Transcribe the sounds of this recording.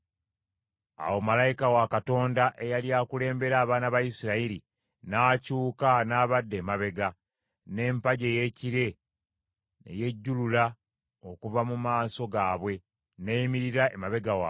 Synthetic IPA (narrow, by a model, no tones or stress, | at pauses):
a̰wo̞malajikawakato̞ːndaʔe̞jaliaːkule̞ːmbe̞ɾaːβaːnaβajisiɾaiɾi | naːcuːkanaːβadːe̞ːmaβe̞ɡa | ne̞ːmpaɟe̞ːje̞ciɾe̞ | ne̞̰je̞ɟːulula | o̞kuvamumaːso̞ɡaːβwe̞ | neːjimiɾiɾaʔemaβe̞ɡawaw